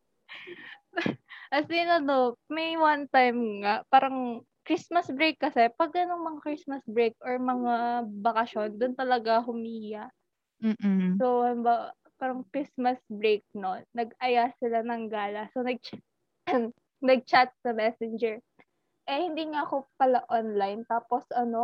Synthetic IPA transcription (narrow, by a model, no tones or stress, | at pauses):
ʔɐsɪnɐnomɛjwant̪ajmŋapaːɾɐŋ | kɾismɐsbɾejkːɐsɛpɐɡ̚ːɐnoŋmɐŋakɹismɐsbɹejk̚ʔoɹmɐŋabɐkɐʃo̞nd̪ʊnt̪ɐlɐɡaɦʊmiijaʔ | m̩ːsohɐmba | paːɾɐŋkɹismɐsbɹejk̚nonːɐɡ̚ɐjasɪlanɐŋɡaːlɐsonɐɡ̚t͡ʃa | nɐɡ̚t͡ʃat̪̚sɐmɛsɛnd͡ʒɛɹ | ʔɛhɪnd̪iːŋaʔɐkopɐlaʔonlajnt̪aːpo̞sʔɐno̞